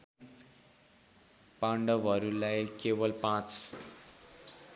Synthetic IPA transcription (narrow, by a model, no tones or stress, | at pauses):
pãɳɖʌbʌɾulajkewʌlpãt͡s